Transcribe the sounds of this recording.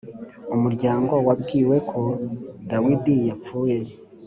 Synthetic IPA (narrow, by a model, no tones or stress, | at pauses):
umuɾɟaːŋɡo̞wabɡiːwe̞kʰo̞dawidijapp͡fuːje